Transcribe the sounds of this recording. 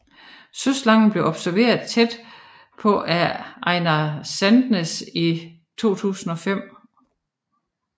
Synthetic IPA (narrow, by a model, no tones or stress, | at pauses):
søslɑ̈ŋn̩b̥le̝ʊɒ̽b̥sæɐʋe̝̰ːɐð̩ˠt͡sʰed̥ | pʰɒ̽ʔæɑ̈ɪnæsænd̥nəsi | t͡sʰo̝̰ːt͡sʰṵːsn̩ɒ̽fem̰